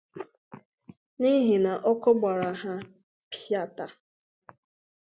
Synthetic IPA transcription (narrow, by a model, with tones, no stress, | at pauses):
ni˦ɦi˨na˨ʔɔ˦kʊ˦ɡ͡ba˨ɾa˨ɦa˦ | pʰa˨ta˨